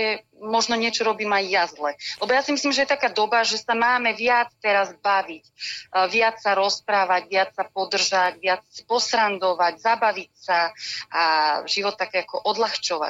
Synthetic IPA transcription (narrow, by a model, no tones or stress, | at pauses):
ɛ | mɔʒnɔɲɪɛt͡ʃɔɾɔbiːmajːazlɛlɛbɔjasimisliːmʒɛjɛt̪akaːd̪ɔbaʒɛsamaːmɛʋɪat͡st̪ɛɾazbaʋicʋɪat͡ssaɾɔspɾaːʋaɟʋɪat͡ssapɔd̪r̩ʒaɟʋɪat͡spɔsɾand̪ɔʋaɟzabaʋicsaʔaʒiʋɔt̪ːakɛːakɔʔɔd̪laxt͡ʃɔʋa̰